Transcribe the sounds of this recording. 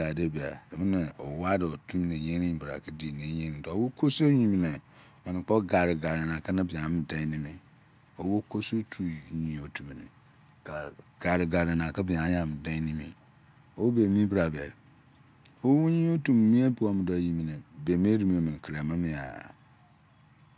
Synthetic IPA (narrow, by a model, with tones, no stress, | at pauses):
a˨de˦bi˨a̰˨dmɪ̃˦nɪ̃˨ɔ˨wa˦dɪ˨o˨tʰũ˦nɪ̃˨ɲẽ˦ɾĩ˦˨bɾa̰˨kʰa˦di˦˨nẽ˨˦ɲẽ˦ɾĩ˨dɔ˨o˦wo˦kʰo˦so˦ɲĩ˨m˨nɪ̃˨ | mã˨nɪ̃˨k͡pɔ˦ɡa˨ɾɪ˨ɡa˨ɾɪ˨nã˨kʰa˦nã˦bɪ˨ã˨˦mɪ̃˦dã˦nɪ̃˦mɪ̃˦ | o˦wo˦kʰo˦so˦tʰu˨ɲĩ˨o˨tʰũ˨m˨nɪ̰̥̃˨ | ɡ̥a˨ɾɪ˨ɡa˨ɾɪ˨nã˨kʰa˦bɪ˨ã˨˦ã˨mɪ̃˨dɛ̃˦nĩ˦mḭ̃˦ | o˦wo˦be˨mĩ˦bɾa˨bɛ˨ | o˦wu˦ɲĩ˦o˦tũ˨m˨mĩ˦e˦bu˨a˨mɪ̃˨dɔ˨ji˨mĩ˨nɪ̃˨be˨mĩ˦e˦ɾi˦mĩ˨˦o˨mĩ˨kʰɾa˨mɪ̃˦mɪ̃˨a̰˨